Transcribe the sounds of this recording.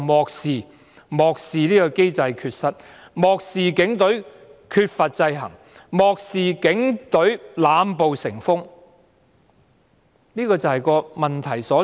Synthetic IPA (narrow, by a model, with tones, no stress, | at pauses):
mɔː˨k̚siː˨ | mɔː˨k̚siː˨niː˥kɔ˧ke˥jt͡sɐ˧jkʰyː˧t̚sɐ˥t̚ | mɔː˨k̚siː˨kɪ˨˥ŋt̪ɵ˨˥ɥkʰyː˧t̚fɐ˨t̚t͡sɐ˧jɦɐ̰˨˩ŋ | mɔː˨k̚siː˨kɪ˨˥ŋt̪ɵ˨˥ɥlaː˨˧mpo˨wsɪ˨˩ŋfʊ˥ŋ | niː˥kɔː˧t͡sɐ˨hɐ˨jkɔː˧mɐ˨nt̪ʰɐ˨˩jsɔː˨˥